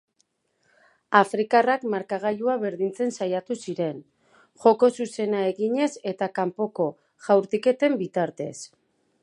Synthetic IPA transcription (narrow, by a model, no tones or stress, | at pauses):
afɾikarakmaɾkaɣ̞ajuaβe̞ɾðint͡se̞nsajat̪usiɾe̞n | ʝo̞ko̞suse̞nae̞ɣiɲe̞se̞t̪akampo̞ko̞ | ʝawɾt̪ike̞t̪e̞mbit̪aɾt̪e̞̰s